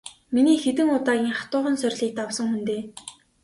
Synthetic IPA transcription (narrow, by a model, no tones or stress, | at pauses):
miniːxet̪ɘ̆ŋʊt̪aːɣʲiːŋχat̪ʊːχə̆nsœrʲɮiːk̚t̪awsə̆ŋxunt̪eː